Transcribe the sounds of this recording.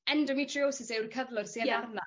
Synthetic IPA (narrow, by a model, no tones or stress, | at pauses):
ɛndɔmitʰrioːsɪsewrkʰəðlˠɔd̥siənarna